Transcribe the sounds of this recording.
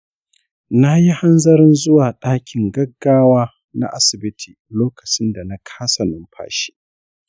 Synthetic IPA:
na˦ji˦ha˦nzɐ˦ɾɪ˦nzʊ˦waː˨ɗaː˦kʲʰɪ˨ŋɡɐ˦ɡːaː˦waː˦ | na̰˦ʔa˦sɪ˨bɪ˦tʰiː˨loː˦kɐ˨t͡ʃɪ˦nda˨na˦kʰḁː˦sɐ˨nɪ˨˦mɸʰa̰ː˦ʃi̥˦

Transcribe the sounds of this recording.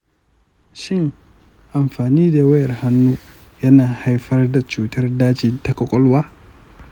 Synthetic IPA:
ʃɪ˦ŋ | ʔa˨mɸaː˨niː˦da˨wɐ˦jɐ˨rha˦nːuː˦ | jɐ˦naː˨ha˦jɸɐ˦rda˨t͡ʃuː˨tɐ˦rdaː˦t͡ʃiː˨ta˨kʼɔ˦˨kʷʼɔ˦lwaː˦

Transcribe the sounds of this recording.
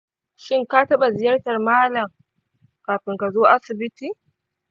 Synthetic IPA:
ʃɪ˦ŋkaː˦tɐ˦ɓa˨zɪ˨jɐ˦rtɐ˨rmaː˦lɐ˨m | kaː˨ɸɪ˨ŋka˨zoː˦ʔa˦sɪ˨bɪ˦tiː˨

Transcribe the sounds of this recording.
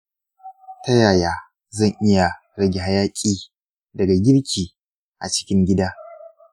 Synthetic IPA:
tɐ˦jaː˨jaː˨ | zɐ˦˨ŋʔɪ˦ja˨ | ɽɐ˦ɡʲe˨ɦa˦jaː˦kʲʼiː˦ | dɐ˨ɡa˨ɡʲɪ˦ɽkʲiː˨ | ʔa̰˨t͡ʃɪ̥˦kʲɪ˦ŋɡʲɪ˦daː˦

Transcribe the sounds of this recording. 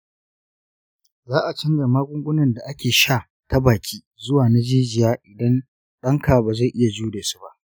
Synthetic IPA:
zaː˦ʔa˨t͡ʃɪ˦ŋɡɐ˨maː˦ɡʷʊ˦ŋɡʷʊ˦nɐ˨nda˨ʔa˦kʲeː˨ʃaː˦˨ | ta˦baː˨kʲʰiː˦zʊ˦waː˨na˦d͡ʒiː˦d͡ʒɪ˨jaː˦ʔɪ˨dɐ˦n | ɗɐ˦ŋka˨baː˨za˦˨jʔɪ˦ja˨d͡ʒuː˦de˨su̥˦ba˦ʔ

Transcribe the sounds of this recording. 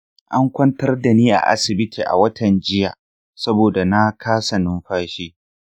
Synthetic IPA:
ʔa˦ŋkʷɐ˦ntɐ˦rda˨niː˦ʔa̰˨ʔa̰˦sɪ˨bɪ˦tʰi˨ʔa̰˨wɐ˦tʰɐ˨nd͡ʒɪ˦jaː˨ | sɐ˦boː˨da˨na˦kʰaː˦sɐ˨nʊ˦mɸaː˦ʃiː˦

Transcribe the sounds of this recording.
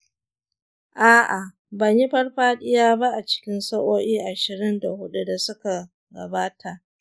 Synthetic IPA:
ʔaː˦ʔa˨ | bɐ˨ɲji˦ɸɐ˦rɸaː˦ɗɪ˦jaː˦ba˦ʔa˨t͡ʃɪ̥˦kʲɪ˦nsɐ˦ʔoː˦ʔiː˦ʔa˨ʃɪ˨ɾɪ˦nda˨hʊ˦ɗu˦da˨sʊ˦ka˨ | ɡɐ̰˨baː˦tʰa˨ʔ

